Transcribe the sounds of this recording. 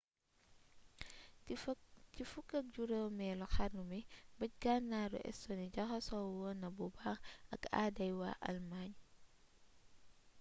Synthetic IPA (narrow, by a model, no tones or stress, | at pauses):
cifukːɐk̚ɟuɾəwmɛlɔxanumibɐc̚ɡanːaɾṵʔɛ̰sɔniɟɐxɐsɔwɔnɐbubaxɐka̰dɐjwa̰ʔɐ̰lmaːɲ